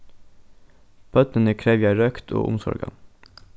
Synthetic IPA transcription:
b̥œt̪nənəkʰɾeːʋjæɪɾœkt̪ʰo̰ːʔʊ̰msɔ̰ɾɡɑ̰

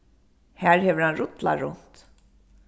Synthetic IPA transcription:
hæːɹhɛʋəɾanɾʊt̪la̰ɹʊ̰n̥t̪

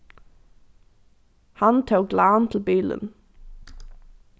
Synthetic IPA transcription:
hant̪ʰuːɡlaːnt̪ʰɪlbiːlə̰n

